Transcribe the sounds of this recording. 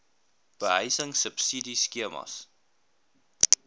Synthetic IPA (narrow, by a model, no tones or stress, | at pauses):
b̥əɦəjsəŋsəpsidiskiəmɐ̰s